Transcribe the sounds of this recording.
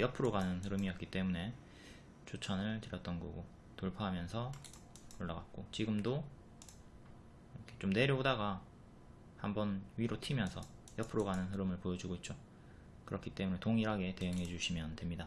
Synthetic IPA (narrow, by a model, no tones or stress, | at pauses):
jʌpʰɯɾoɡanɯnhɯɾɯmiʌt̚k͈it͈e̞mune̞ | t͡ɕʰot͡ɕʰʌnɯɭtɯɾjʌt͈̚ʌnɡṵɡo | toɭpʰaɦamjʌnsʰʌ | oɭːaɡat̚k͈ot͡ɕiɡɯmdo | kʰet͡ɕomne̞ɾjʌodaɡa | hambʌnɥiɾotʰimjʌnsʰʌ | jʌpʰɯɾoɡanɯnɦɯɾɯmɯɭpojʌd͡ʑuɡoit̚t͡ɕ͈o | kɯɾʌkʰi̥t͈e̞mune̞toŋiɾɦaɡe̞te̞jɯŋɦe̞d͡ʑuɕʰimjʌnde̞mɲida